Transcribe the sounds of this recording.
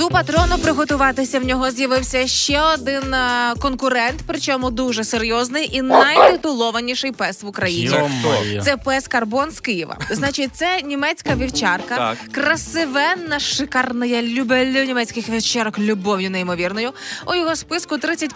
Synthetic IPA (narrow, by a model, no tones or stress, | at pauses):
d̪ʊpɐt̪ɾɔnʊpɾɪɦɔt̪ʊʋɑt̪ɪsʲɐwnʲɔɦɔzjɐʋɪwsʲɐʃt͡ʃɛɔd̪ɪnkɔnkʊɾɛnt̪pɾɪt͡ʃɔmʊd̪uʒɛseɾʲjɔznɪjʔinɐjt̪ɪt̪ʊlˠɔʋɐnʲiʃɪjpɛsʋʊkɾɐjinʲisɛpɛskɐrbɔnskɪjiʋɐ̰znat͡ʃɪt̚ʲt̪sɛnʲimɛt͡sʲkɐʋʲiwt͡ʃɑrkɐkɾɐsɪʋɛnːɐʃɪkɑrnɐjɐlʲubelʲːʊnʲimɛt͡sʲkɪxʋʲiwt͡ʃaɾɔklʲʊbɔwjʊnɐjimɔʋʲirnɔjʊʊjɔɦɔspɪskʊt̪ɾɪt͡sʲːɐtʲ